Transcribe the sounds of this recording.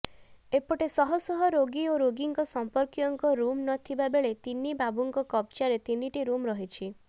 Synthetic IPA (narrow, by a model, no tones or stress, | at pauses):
epɔʈesɔɦɔsɔɦɔɾoɡioɾoɡiŋkɔsɔmpɔɾkjɔŋkɔɾumnɔt̪ʰibabeɭet̪inibabuŋkɔkɔp̚t͡ʃaɾet̪iniʈiɾumɾɔɦit͡ʃʰi